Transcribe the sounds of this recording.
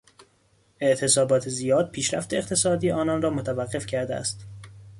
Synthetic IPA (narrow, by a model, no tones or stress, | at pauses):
e̞ʔt̪ʰe̞sɒːbɒːt̪ʰezijɒːd̪̥̚pʰiːʃɾæ̰ft̪e̞eqt̪ʰe̞sɒːd̪iːɒːnɒnɾɒːmot̪ʰævæɢːe̞fcʰæɾd̪eæ̰st̪